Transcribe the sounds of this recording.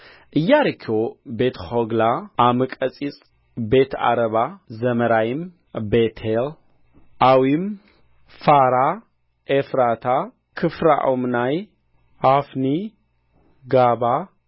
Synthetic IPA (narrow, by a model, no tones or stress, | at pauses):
ʔɨjːaɾɨkʰːobe̞t̪ʰhoɡlaʔamɨkʼɐt͡sʼit͡sʼ | be̞t̪ʰa̰ɾɐβazɐmɐɾajim | bet̪ʰel | ʔawim | faɾa | ʔefɾat̪ʰa | kʰɨfɾa̰ʔomnaj | hafni | ɡaβa